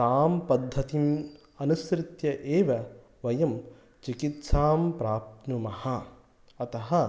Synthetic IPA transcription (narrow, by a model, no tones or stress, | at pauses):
t̪aːmpɐd̪ʱːɐt̪im | ɐnusɾɪt̪jɐʔeːʋɐ | ʋɐjɐm | t͡ʃikit̪saːmpɾaːp̚t̪numɐhɐ | ɐt̪ɐɦɐ